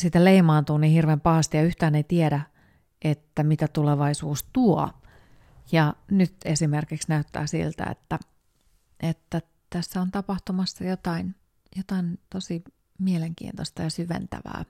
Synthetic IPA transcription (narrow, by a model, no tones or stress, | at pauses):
sit̪æleimɑːnt̪uːnihirʋeːmpɑhɑst̪ijɑyht̪æːneit̪ieɾæ | ʔet̪ːæmit̪æt̪uleʋɑisuːst̪uɔ | jɑnyt̪esimerkiksnæyt̪ːæ̰ːsḭlt̪æ̰ḛt̪ːæ | ʔet̪ːæ | t̪æsːæont̪ɑpɑht̪umɑsːɑjot̪ɑin | jot̪ɑint̪osi | mieleŋkḭːnt̪ost̪ɑjɑsyʋḛnt̪æ̰ʋæ̰ː